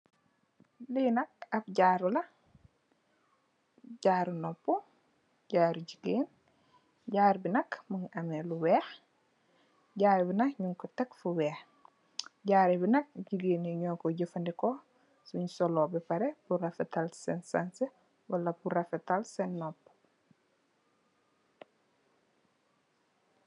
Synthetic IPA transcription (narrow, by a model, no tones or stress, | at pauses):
linɐk̚ɐp̚ɟaːɾulɐ | ɟaːɾunɔpːu | ɟaːɾuɟiɡeːn | ɟaːɾbinɐkmɐŋɐmɛluwɛːx | ɟaːɾɛbinɐkɲuŋkɔtɐkfuwɛːx | ɟaːɾibinɐk̚ɟiɡeːneɲɔːkɔɟəfɐndikɔ | suɲusɔlɔbɛpɐɾɛpuɾɐfɛtalsɛnsanse | wɐlɐpuɾɐfetalsɛnːɔpː